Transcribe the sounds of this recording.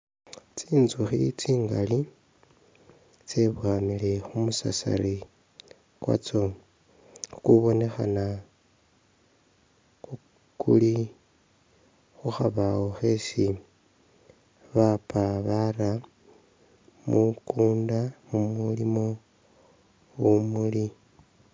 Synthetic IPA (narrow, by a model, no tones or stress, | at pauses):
t͡siːnzuxḭt͡siːŋɡa̰li | t͡seβwaːmile̞xumusa̰sa̰ɾi | kwa̰t͡so̞ | kuβo̞ne̞xa̰na | xu | kʰṵli | xuxaβawoxe̞si | βapaβaɾa | mukuːndamumulimo̞ | wumuli